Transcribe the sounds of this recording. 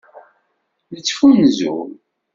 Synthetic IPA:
nət͡sːfunzṵm

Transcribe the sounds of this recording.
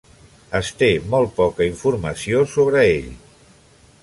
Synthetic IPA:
əst̪emɔlˠt̪̚pɔkəiɱfuɾməsiosoβɾəḛʎ

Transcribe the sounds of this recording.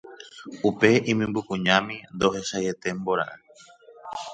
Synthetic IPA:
upe̞ĩmĩmbukũɲãmĩnd̪o̞ɦeʃaje̞t̪e̞mbo̞ɾa̰ʔa

